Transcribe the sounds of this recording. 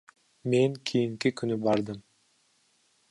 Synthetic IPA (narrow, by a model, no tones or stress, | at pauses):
me̞ŋkʰijiŋkikynybɑɾd̪ɯm